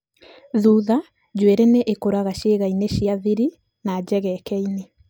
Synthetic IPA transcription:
ðuːða | d͡ʑweɾeneʔekoɾaɣaʃeɣaineʃiaðiɾi | nad͡ʑɛɣɛkɛine

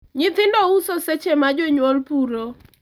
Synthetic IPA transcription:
ɲɪt̪ɪndɔusoset͡ʃemad͡ʒɔɲwɔlpuɾo

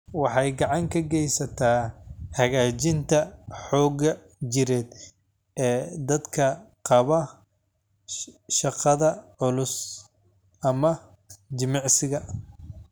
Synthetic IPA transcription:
wɑħɑjɡɑʕɑŋkʰɐɡɛjsɐt̪ʰaːhɐɣaːt͡ʃɪnt̪ʰɐħɔːɣɐ | d͡ʒɪɾɛːd̪ | ɛːd̪ɐd̪kʰɐqɑβɐ | ʃɑqɑðɐʕʊlʊs | ʔɐmɐ | d͡ʒɪmɑʕsɪɣɐ

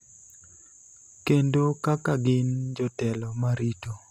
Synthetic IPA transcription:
kendokakaɡɪnd͡ʒɔtɛlɔmaɾito

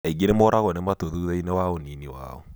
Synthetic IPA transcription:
eiɣeɾemoɾaɣɔnemwatoðuːðeinewaoniniwa̰ɔ̰

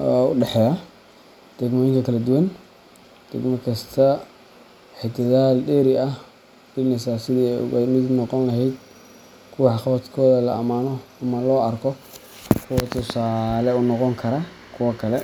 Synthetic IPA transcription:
ʊ̰ɖɛħɛːjɐ | d̪̥ɛɡmɔːjɪŋkʰɐkʰɐlɐd̪ʊwɐn | d̪̥ɛɡmɐkʰɐst̪ʰɐ | ħɪt̪ʰɐðaːlɖɛːɾɪɐ | b̥ɪlnɪsasɪðḭːnɪd̪nɔqɔnɐɦɛjd̪ | kʰʊwɑħχɑt̪kʰɔːðɐlɐʔɐmaːnɔ | ɐmɐlɔːɐrkʰɔ | kʰʊwɐt̪ʰʊsaːlɛʊnɔqɔŋkʰɐɾɐkʰʊwɐkʰɐlɛ

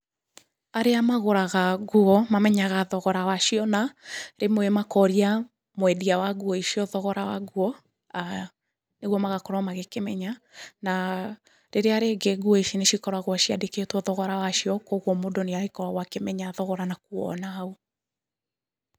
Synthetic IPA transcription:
aɾeamaɣoɾaɣaɡuɔmamɛɲaɣaðɔɣɔɾawaʃiɔnaɾemoemakɔɾia | mwɛdiawaɡuɔeʃiɔðɔɣɔɾawaɡuɔ | a | neɣwɔmaɣakɔɾwamaɣekemɛɲana | ɾeɾeaɾeɡeɡuɔeʃineʃikɔɾwaɣwaʃiadeketwɔðɔɣɔɾawaʃiɔkoɣɔmodoneaɣekɔɾwaɣwakemɛɲaðɔɣɔɾanakuɔ̰nao

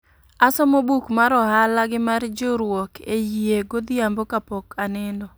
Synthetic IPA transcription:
asɔmobukmaɾɔhalaɡɪmard͡ʒoɾwɔkʰejieɡod̪ɪambokapɔkanɪndɔ

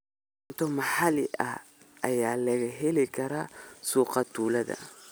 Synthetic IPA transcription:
nt̪ʰɔmɐħɑlɪʔɐ̰ | ʔɐjaːlɐɣɐɦɛlɪkʰɐɾaːsuːqɑt̪ʰuːlɐðɐ̰

